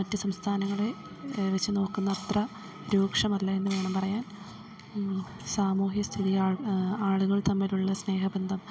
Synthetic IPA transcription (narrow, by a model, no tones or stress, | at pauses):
mɐtːɨsɐmst̪ʰaːnɐŋːɐɭe | ʋɐt͡ɕːɨno̞ːkːunːɐːt̪rɐ | ɾuːkʂɐmɐlːɐenːuʋe̞ːɳɐmpɐrɐjaːn | saːmuːɦiɐst̪ʰiðijaːaːɭuɣɐɭt̪ɐmːiluɭːɐsne̞ːɦɐbɐnd̪ʱɐm